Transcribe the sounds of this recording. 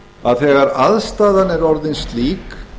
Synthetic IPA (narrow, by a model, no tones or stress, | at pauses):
aðθɛːɣaɾaðst̪aːðanɛɾɔɾðɪnst̪liːk